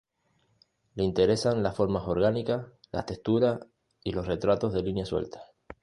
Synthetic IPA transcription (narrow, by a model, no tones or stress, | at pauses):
leint̪e̞ɾe̞sanlasfo̞ɾmaso̞ɾɣanikasla̰t̪est̪uɾas | ilo̞sre̞t̪ɾat̪o̞zðe̞linjaswḛlt̪ḁ